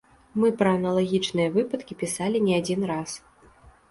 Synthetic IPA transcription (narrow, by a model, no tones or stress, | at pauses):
mɨpɾɐːnɐlˠaɣʲit͡ʂnɨjɐvɨpɐt̪kʲipʲisalʲinʲɛad͡zʲinras